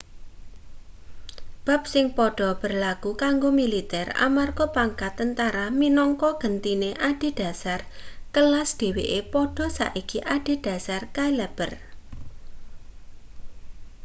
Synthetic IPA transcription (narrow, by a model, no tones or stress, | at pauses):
b̥a̤p̚sɪŋpɔɖ̥ɔ̤b̥ə̤rlaɡ̥ukaŋɡomilit̪ɛra̰marɡɔpaŋkat̪ːənt̪aɾaminɔŋkɔɡ̥ənt̪ineʔad̥i̤d̥a̤sarkəlasd̪̥e̤wḛʔepɔɖ̥ɔ̤sa̰ʔikiʔaɖ̥i̤d̥a̤sarkailɛb̥ər